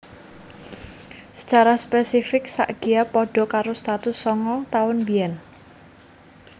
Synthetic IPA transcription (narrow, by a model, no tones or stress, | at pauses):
sə̥t͡ʃaɾaspɛsifɪk̚sa̰ʔɡ̥iapɔɖ̥ɔ̤kaɾost̪at̪ʊsːɔŋɔt̪aʊnbiɛn